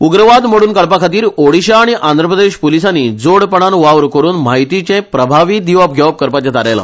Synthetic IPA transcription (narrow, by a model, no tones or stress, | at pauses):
uɡɾəʋad̪m̤əɽuːnkəɭpakʰat̪iːɾoɽiɕaːɽ̃iʔand̪ʱɾəpɾəd̪eɕpulisanːiːd͡zoɽpəɳ̃anʋaʋɾkəɾuːnmaɦit̪it͡ɕɛ̃pɾəbʱaʋiːd̪iʋəp̚ɡʱjaʋp̚kəɾpat͡ɕat̪aɾajla̰